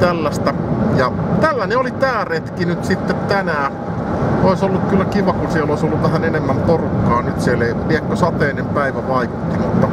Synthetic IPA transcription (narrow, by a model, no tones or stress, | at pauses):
t̪ælːæst̪æjɑt̪ælːæneolit̪æːret̪kinyt̪sit̪ːet̪t̪ænæː | oˑesolːukkylːækiʋɑkunsieloˑisolːuʋʋæhænenemːæmporukːɑːnyt̪sieleiliekːosɑt̪eːnempæiʋæʋɑikut̪ːimut̪ːɑ